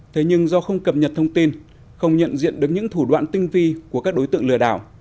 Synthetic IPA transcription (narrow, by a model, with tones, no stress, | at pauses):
t̪ʰe˨˦ɲɨ˧ŋzɔ˧xə˧wŋ͡mkə˨˩p̚ɲə˨˩t̚t̪ʰə˧wŋ͡mt̪i˧n | xə˧wŋ͡mɲə̰˧˨nzḭ˧˨ənɗɨ˨˩ək̚ɲɨ̰˧˥ŋt̪ʰu˧˩ɗwa̰ː˧˨nt̪ï˧ŋvi˧ku˧˩əkaː˦˥k̚ɗo˨˦jt̪ɨ̰˧ə˨ŋlɨ˧˩əɗaː˧˩w